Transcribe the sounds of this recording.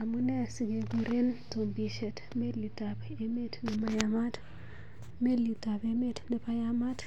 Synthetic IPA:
a˨mu˦ne˦si˨ɡe˨ɡuɾe˦nto˨mbi˨ʃɛ˨t | me˦lu˨ta˨p | e˦me˦tni˨ma˦jama˦t | me˦luta˨beme˦tnɛ˨pajama˦t

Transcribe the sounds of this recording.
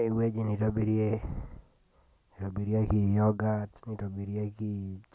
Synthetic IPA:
i˨we˦d͡ʒi˨ni˨to˦bi˦ɾje˦ | i˨to˨bi˨ɾie˦ki˨jɔ˦ɡa˦tni˨to˨bi˨ɾje˦ki˦t͡ʃ

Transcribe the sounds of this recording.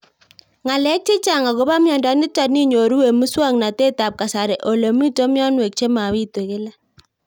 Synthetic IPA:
ŋa˨lɛ˦k̚tɪ˦t͡ʃa˨ŋa˨ɡo˨˦ba˦mjɔ˨nda˨˦nɪ˦t͡ʃa˦t̚ni˦ɲo˨ɾu˦we˨mu˦swa˦˨ŋna˨te˦ta˨p̚ka˨sa˨ɾɛ˨ʔo˨lo˨mi˦to˦mjɔ˦nwe˨k̚t͡ʃe˦ma˨wi˦twe˨kɪ˦la˦

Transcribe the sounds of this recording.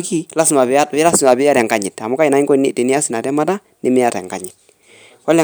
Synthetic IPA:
ki˦la˦si˨ma˨bɪ˨˦a˦la˦sma˨bɪ˦a˦ɾɛ˨ŋɡa˦˨ɲi˨ta˨mu˦ka˦i˨na˦i˦ɡo˦ni˦˨ti˨ni˦a˦si˨na˨dɛ˦ma˦da˦ | ni˦mi˦a˦tɛ̰˨ŋɡa˨ɲi˨t̚ | wa˦le˨

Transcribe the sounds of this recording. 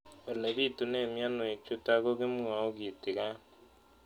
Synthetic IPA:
ɛ˨lɛ˨βi˦˨tu˨ne˦˨mja˦no˨e˨t͡ʃo˦ta˦ɣo˦ɣe˦mu˦a˨o˦ɣi˨ti˨ɣa˦

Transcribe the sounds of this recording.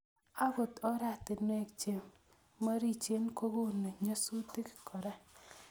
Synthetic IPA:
a˦bo˨tɔ˦ɾa˦˨tɪ˨nwe˦˨kt͡ʃe˨mː | a˦ɾi˦˨t͡ʃe˦nko˦ɡo˦ne˨ɲo˦su˦tɪ˦kɪ̥˨kʰɔ˨ɾa˦

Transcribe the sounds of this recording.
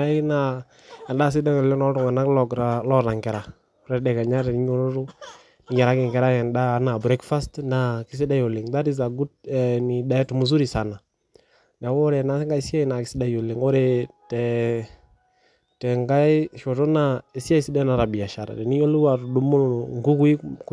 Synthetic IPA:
a˦na˦ | ɛ˨nda˦s̬ɪ˦da˦ŋɔ˨lɪ˦ŋnɔ˦ɾʊ˨ŋa˨na˦klɔ˨ɡɾa˦lɔ˦ɾa˨ŋkɛ˨ɾa˨˦ | ɾɛ˨dɛ˨ka˨ɲa˦ɾɛ˨ni˦ɲo˦lo˦ɾʊ˦ | nɪ˨˦ɲɛ˨ɾa˦kɪ˨ŋkɛ˨ɾa˦ɛ˨nda˦na˨bɾɛ˦kfa˦stna˨kɪ˦s̬ɪ˦da˦jo˨le˨ŋt̪a˦ɾi˦s̬a˨ɡu˦t̚ɛ˨ni˨da˨ɛ˦tu˨mu˨s̬u˦ɾi˨sa˨na˨ | na˨wo˦ɾɛ˨na˦ŋɡa˦i˦si˦a˦i˨˦na˨kɪ˨sɪ˦da˦jo˨le˨ŋo˦ɾe˨tɛ˨ | tɛ˨ŋɡa˦ɪ˦ʃo˨to˦na˦e˨si˦a˦jsi˦dɛ˦na˨ɾa˨bi˨a˨ʃa˨ɾa̰˨dɛ˨ni˦o˦lu˦wa˨ɾu˨du˦mu˦˨ŋɡu˦ku˦i˦k

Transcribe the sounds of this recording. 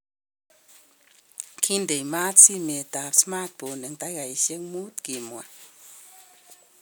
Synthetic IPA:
kʰi˦nd̪e˨jma˦t̪t͡si˦me˧t̪a˧˨psma˦t̪̚bo˨nɨ˨ŋt̪a˦ɡa˨jʃe˦kmu˦t̪ɡi˨mwa˨

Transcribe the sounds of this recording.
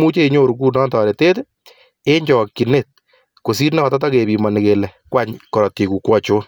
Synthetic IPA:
mu˦t͡ʃe˦i˧ɲo˦ɾu˨kuː˦˨nɔ˦ntɔ˨ɾe˨teː˦te˦ | e˦ɲd͡ʒɔ˨kːi˨net̚ | ko˨s̬i˦ɾnɛ˦ɔ˨tɔt̬ɔ˦ke˨bi˨mɔ˨nɪ˨kelɛ˨kwa˦ɲkɔ˨ɾɔ˨ti˨ku˨kwɔ˦t͡ʃoː˦n

